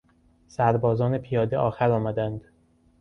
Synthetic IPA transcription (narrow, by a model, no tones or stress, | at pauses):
sæɾbɒːzɒːne̞pʰijɒːd̪eʔɒːxæɾɒːmæd̪ænd̪